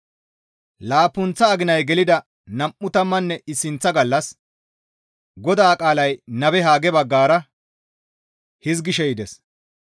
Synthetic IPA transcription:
laːpːʊnt͡sːɐːɡɪnɐjɡɛlɪd̪ɐ | nɐmʔːʊt̪ɐmːɐnːɛɪsːɪnt͡sːɐɡɐlːɐs | ɡɔd̪aːkʼaːlɐjnɐbɛɦaːɡɛbɐɡːaːɾɐ | hɪzɡɪʃɛjɪd̪ɛs

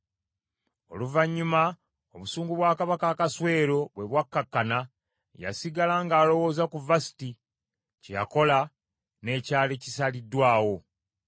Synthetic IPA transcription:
o̞̰luvaɲːuma | oβusuːŋɡuβwaːkaβakakaswe̞ːɾo̞βwe̞βwakːakːana | ja̰siɡalaŋɡaːlo̞wo̞ːzakuvasi̥ti | ceja̰ko̞la | ne̞ːcaːlecisalidːwaːwo̞

